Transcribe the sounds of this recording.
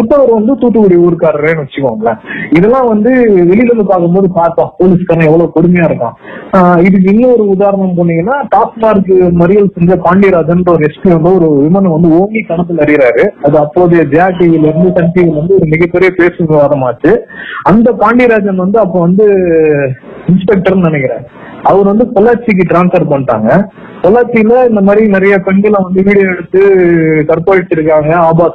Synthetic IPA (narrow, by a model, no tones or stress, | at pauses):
ʊʈ̪ːɐːʋɐɾʋɐnd̪ɯt̪uːʈːɯkʊɽiuːɾɯkːaːɾɯɾeːnɯʋɐt͡ʃːɯkːɐʋŋɡɐɭɐɪðɛlːãːʋɐnd̪ɯʋɛɭɪlɐnd̪ɯpaːɾkɯmboːðɯpaːɾt̪ãːpoːlɪskaːɾɐnɐ̃ɛʋːɐɭoːkɔɽɯmɐjaːɪɾɯkːã̰ːɪðɯk̬ːɪnːɐɔɾɯʊðaːɾɐɳɐmpoːɳːɪŋɡɐnːaːʈaːsmaːɾkːɯmɐɾɪɣɐɭsɛɲd͡ʒɐpaːɳɖiɾaːd͡ʒɐndɐɔɾɯɛspjiɐnd̪ɯɔɾɯʋɪmɐnɐ̃ʋɐnd̪ɯoːŋɡik̪ɐɳɐt̪̬ːɯlɐɾɪɪɾaːɾɯɐðɯɐpːoːðɪjɐd͡ʒɐjaːʈːiɐlɪɾɯnd̪ɯsɐnpiɣɐlɾɐnd̪ɯɔɾɯmɪɣɐpːɛɾɪjɐpeːsɯʋɪʋaːðɐmaːt͡ʃːɯɐnd̪ɐpaːɳɖiɾaːd͡ʒɐnʋɐnd̪ɯɐpːõːʋɐnd̪ɯ | ɪnspɛk̚ʈɐɾnɪnɛkːɪɾḛ̃ː | ɐʋɐɾʋɐnd̪ɯkɔlːaːt͡ʃːɪk̬ːɯʈɾaːnsfɐɾpɐɳːʈːa̰ːŋɡɐ | kɔlːaːt͡ʃːɪjlɐɪnd̪ɐmaːd̪ɾinɪɾɐjɐpɛɳɡɐlɐ̃ʋɐnd̪ɯʋiːɽɪjɛɽɯt̪ːɯkɐɾpoːɪʈt͡ʃːɪɾɯk̬ːaːŋɡɐaːbaː